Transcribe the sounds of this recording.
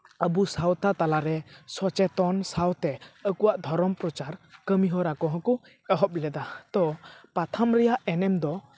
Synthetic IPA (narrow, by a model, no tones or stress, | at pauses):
əbusawt̪at̪alaɾɛsɔt͡ʃɛt̪ɔnsawt̪ɛəkuwaʔd̪ʱɔɾɔmpɾɔt͡ʃaɾkəmiɦɔɾakɔɦɔ̃kɔ | ɛɦɔp̚lɛd̪at̪ɔpat̪ʰamɾɛjaʔɛnɛmd̪ɔ